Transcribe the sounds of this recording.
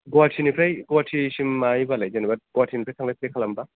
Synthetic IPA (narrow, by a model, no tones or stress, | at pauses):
ɡuwatʰinipʰɾajɡowatʰisimːajbalajzanibat̚ɡ̥ɔatʰinipʰɾajsʰaŋlajpʰɾejkʰalamba